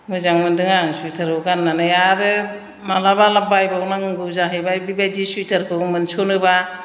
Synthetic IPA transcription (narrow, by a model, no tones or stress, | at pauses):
mɯzaŋmɯndɯŋaŋsujtʰaɾkɯɡanːanɯjaɾɯ | malabalabajbawnaŋɯŋɡɯzaɦɯjbajbibajdisujtʰaɾkʰɯmɯnsonɯba